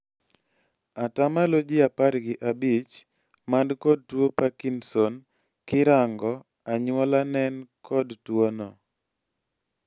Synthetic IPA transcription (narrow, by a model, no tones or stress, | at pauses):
atamalod͡ʒɪapaɾɡɪʔabit͡ʃ | mandkɔd̚twopakinsɔn | kɪɾaŋɡɔ | aɲwɔlanɛnkʰɔdtwonɔ